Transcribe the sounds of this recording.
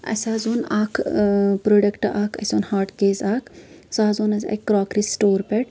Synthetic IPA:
ɐ̰saːzoːnaːkʰpɾoɖɐkʈʔaːkʰɐ̰sʲoːnhaːɾʈkeːzaːksaːzoːnɐzɐ̰kːɾaːkɾisʈoːɾpɛʈ

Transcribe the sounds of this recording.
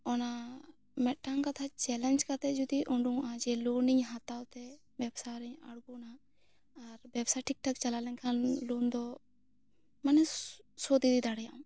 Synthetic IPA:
ɔna | mɛʈːaŋkat̪ʰat͡ʃɛlɛnd͡ʒkat̪ɛd͡ʒud̪iʔuɳɖuŋad͡ʒɛluniɲɦat̪awt̪ɛ | bjɛbsaɾɛɲa̰ɽɡunaː | ɾbɛbsaʈik̚ʈak̚t͡ʃalalɛŋkʰanlund̪ɔ | manɛsɔd̪id̪id̪aɽɛjaʔm

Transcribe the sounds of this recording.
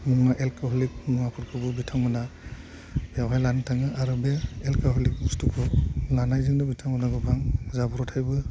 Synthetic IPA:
muŋaʔelkaɦɔlik̚nuŋapʰuɾkʰɯbɯbitʰaŋmɯna | bjawɦajlantʰaŋɯʔaɾɯbeelkaɦɔlik̚mustukʰɔlanajzɯŋdɯbitʰaŋmɯnaɡɯbʰaŋzabuɾɔtʰajbɯ

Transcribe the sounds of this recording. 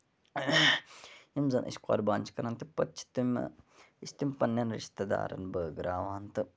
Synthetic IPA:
imzɐnʔḭska̰ːɾbaːnʲt͡ʃʰkɐɾant̪ipɐt͡ʃʰi̥t̪im | ist̪imʲpɐnːjaːnɾḭʃt̪ɐd̪a̰ːɾɐ̰nbəːɡɾaːʋaːnt̪ɨ

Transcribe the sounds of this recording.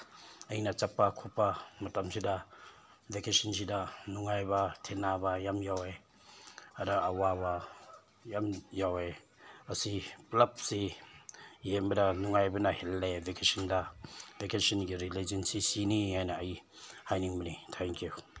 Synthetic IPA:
ajinat͡ʃapːakʰɔpːamɐtamsʰida | vekesinsidanuŋajbatʰenabajamjawe | adaːwaba | jamjawe | ɐsiplap̚si | jembɐdanuŋajbanahelːevekesindavekesɔnɡiɾilezensisiniajnaːjihajniŋmɐnitʰɛŋkju

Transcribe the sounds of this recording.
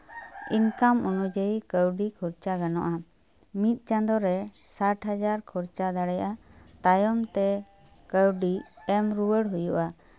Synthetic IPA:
inkamunud͡ʒəikəwɖikʰuɾt͡ʃaɡanɔʔa | mit̪̚ˀt͡ʃãnd̪ɔɾɛsaʈɦad͡ʒaɾkʰuɾt͡ʃad̪aɽɛjʔat̪ajɔmt̪ɛ | kəwɖiɛmɾuwəɽɦujuʔa

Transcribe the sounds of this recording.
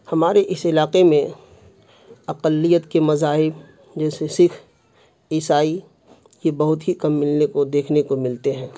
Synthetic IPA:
hɐmaːɾeʔɪsɪlaːqemẽ | ɐqəlːijət̪kemɐzaːɦɪb | d͡ʒɛːsesɪkʰ | iːsaːi | jebɐɦʊt̪ɦikɐmːɪlnekod̪eːkʰnekomɪlt̪eɦɛ̃ː

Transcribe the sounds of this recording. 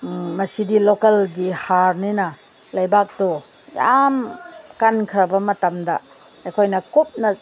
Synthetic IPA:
mɐsidilokɐlɡihaɾninɐ | lɐjbak̚dɔ | jamkankʰɾɐbɐmɐtɐmdɐ̰ː | jkʰojnɐkop̚nɐ

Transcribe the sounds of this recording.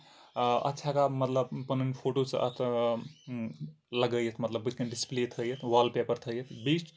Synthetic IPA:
ə̰tːʃʰakamət̪ləbpənənipʰoʈot͡sə̰t̪ʰ | ləɡəjət̪ʰmət̪ləbːɨt̪ʰkənɖisplet̪ʰəjət̪ʰwalpepəɾt̪ʰəjət̪ʰbit͡ʃ

